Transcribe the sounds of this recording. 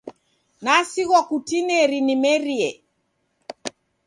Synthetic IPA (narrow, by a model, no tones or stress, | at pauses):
nasiɣwakutinɛɾinimɛɾiɛ